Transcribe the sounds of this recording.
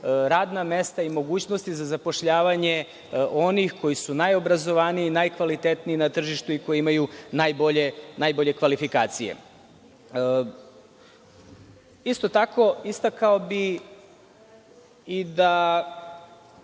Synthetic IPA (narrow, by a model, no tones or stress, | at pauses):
ɾaːd̪name̞st̪aimo̞ɡuːt͡ɕno̞st̪izazapo̞ʃʎaːʋaɲe̞ | ʔo̞nixko̞jisunajo̞bɾazo̞ʋaniinajkʋalit̪et̪niinat̪r̩ʒiʃt̪uiko̞jeimajunajboʎenajboʎe̞kʋalifikaːt̪sijḛ | ist̪o̞t̪ako̞ist̪akaobi | id̪a